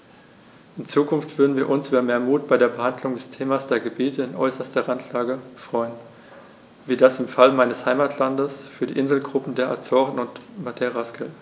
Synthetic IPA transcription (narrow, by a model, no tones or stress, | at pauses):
ʔɪnt͡suːkʰʊnftv̥ʏɐdn̩viːɐʔʊnsʔyːbɐmeːɐmuːt̚b̥aɪɾeːɐbəhandlʊŋdɛstʰeːmasd̥eːɐɡəbiːtʰəɪnʔɔ̰ʏsɐstɐʁantʰlaːɡəfʁ̥ɔʏən | viːɐdasɪmfalmaɪnəshaɪmaːtʰlandəsfyːɐdḭːʔɪnzl̩ɡʁʊp̩deːɐʔa̰t͡sɔʁnʊntmatʰeʁaskəl